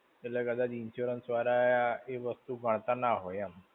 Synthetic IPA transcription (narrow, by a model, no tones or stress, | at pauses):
ələkəd̪ad̪iinɕuɾənsʋaɾajaeʋəst̪uːbʱaɳt̪anaɦojam